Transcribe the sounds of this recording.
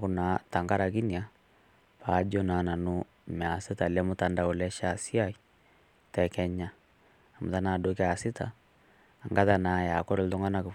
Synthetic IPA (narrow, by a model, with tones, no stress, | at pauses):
ku˨na˨ta˨ŋɡa˦ɾa˨ki˦ni˨a˦ | pa˨˦d͡ʒɔ˦na˨na˨no˦ | mɛ˨a˨se˦ta˨lɛ˦mu˦ta˨nda˨o˨lɛ˦ʃa˨si˦a˦i˦ | tɛ˨kɛ˦ɲaː˦˨ | mo̰˨ta˦na˨do˦kɛ˦a˨si˦taː˨ | ŋɡa˦ða˨na˨ja˨kɔ˦ɾe˨lto˦ŋɡa˦na˨ke˨